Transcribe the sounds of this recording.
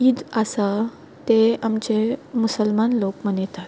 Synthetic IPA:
id̪asa | t̪eamt͡ɕemusəlmanlokmənet̪at̪

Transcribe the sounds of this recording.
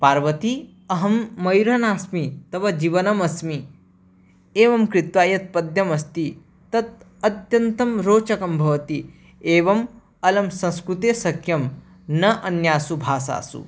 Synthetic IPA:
paːɾʋɐt̪i | ɐɦɐmːɐjɾɦɐnaːsmit̪ɐʋɐd͡ʒiːʋɐnɐmɐsmi | eːʋɐmkɾit̪ʋaːjɐt̪̚pɐd̪jɐmɐst̪i | t̪ɐt̪̚ | ɐt̪jɐnt̪ɐmɾoːt͡ʃɐkɐmbʱɐʋɐt̪i | eːʋɐm | ɐlɐmsɐ̃skɾut̪eːsɐkʰjɐm | nɐʔɐnjaːsubʱaːsa̰ːsṵ

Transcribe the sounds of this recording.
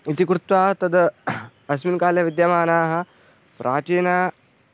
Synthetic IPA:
it̪ikɾut̪ʋaːt̪ɐd̪ | ɐs̬minkaːljɐʋid̪jɐmaːnaːɦɐ̆ | pɾʔaːt͡ʃiːnaː

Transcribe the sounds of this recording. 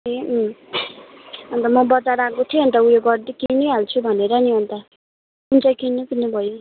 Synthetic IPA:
im | ʌnt̪ʌmʌbʌt͡saɾakot̪ʰiiɦʌnt̪̬ʌujoɡʌrd̪ikiniɦalt͡sʰubʱʌneɾʌniʌnt̪ʌ | unt͡sajkinukinubʱʌjo

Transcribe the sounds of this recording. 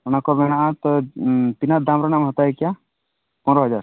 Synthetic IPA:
ɔnakɔbɛɽaʔat̪ɔt̪inad̪amɾanamɦɔt̪aɛkja | pɔnɾɔɦɔd͡ʒaɾ

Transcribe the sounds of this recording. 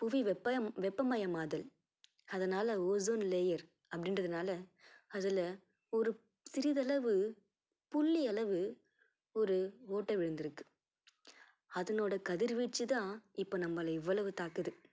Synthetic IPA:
pʊʋiʋɛpːɐʋɛpːɐmɐjɐmaːðɐl | ɐðɐnaːlɐoːzoːnleːjɐɾ | ɐpːɐɽɪndrɐðɯnaːlɐɐðɯlɐ | ɔɾɯ | sɪɾɪðɐlɐʋɯ | pʊlːiɐlɐʋɯ | ɔɾɯoːʈːɐʋɪɻɯnd̪ɪɾɯkːɯ̥ | ɐðɐnoːɽɐkɐðɪɾʋiːʈt͡ʃːɯt̪ãːɪpːoːnɐmːɐlɐɪʋːɐɭɐʋɯt̪aːkɯðɯ

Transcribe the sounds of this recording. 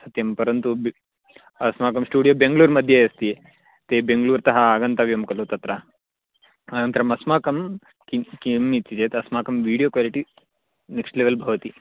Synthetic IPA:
sɐt̪jɐmpɐɾɐnt̪ub | ɐsmaːkɐmsʈuːɽijoːbeŋɡluːɾmɐd̪ʱjɐjɐst̪i | t̪ebeŋɡluːɾt̪ɐɦɐaɡɐnt̪aːʋjɐmkɐloːt̪ɐt̪ɾɐ | ɐnɐnt̪ɾɐmɐsmaːkɐm | kikimːit̪t͡ʃid͡ʒeːt̪ɐsmaːkɐmʋiːɽijoːkʋaːliʈi | neksʈleʋɐlbʱɐʋɐt̪i

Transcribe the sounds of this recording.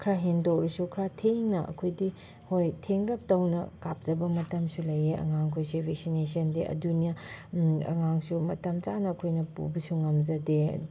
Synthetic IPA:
kʰɾaɦendowɾisukʰɾatʰeŋnɐʔɐ̰kʰojdi | hojtʰeŋɾɐp̚tɐwnɐ̰kap̚d͡ʒɐbɐmɐtɐmsulɐjeʔɐ̰ŋaŋkʰojsebʱek̚sines̬ɐndeʔɐ̰dunijɐ | ɐ̰ŋaŋsumɐtɐmt͡ʃanɐːkʰojnɐpṵbisuŋɐmzɐdḛ

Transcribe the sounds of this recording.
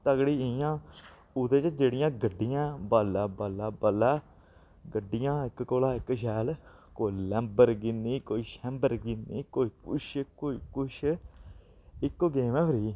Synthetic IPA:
t̪əɡɽiːijãː | ʊd̪eːt͡ʃd͡ʒeːɽɪjãːɡəɖːɪjãːbaːlaːbaːlaːbəlaː | ɡəɖːɪjãːɪkkoːlaːɪkʃɛːl | koːilɛ̃ːmbəɾɡɪniːkoːiːʃɛ̃mbəɾɡɪnːiːkoːiːkʊ̰ʃkoːiːkʊʃʰ | ɪkːoɡeːmɛ̃ːpʰəɾiː

